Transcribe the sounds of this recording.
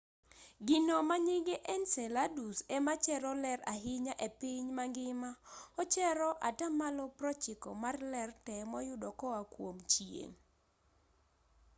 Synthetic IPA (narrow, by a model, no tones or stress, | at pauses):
ɡɪnomaɲiɡeʔɛnsɛladusemat͡ʃɛɾɔlɛraɦɪɲaʔepiɲmaŋɡɪmaɔt͡ʃɛɾɔʔatamalɔpɾɔt͡ʃɪkɔ̰marlɛrtɛmɔjʊdɔkɔwakwomt͡ʃjḛŋ